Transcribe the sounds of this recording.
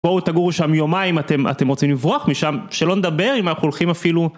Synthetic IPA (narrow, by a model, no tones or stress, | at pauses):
bot̪aɡuʁʃamjo̞maimat̪e̞ma̰t̪emʁot͡simlivʁoaχmiʃamʃelo̞ned̪abe̞ʁimanaχuolχimafilu